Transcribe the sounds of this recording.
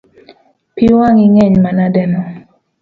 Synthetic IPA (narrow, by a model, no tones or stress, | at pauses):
piwaŋiŋɛɲmanadɛnɔ